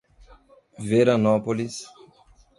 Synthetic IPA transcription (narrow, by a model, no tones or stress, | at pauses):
veɾonɔpolis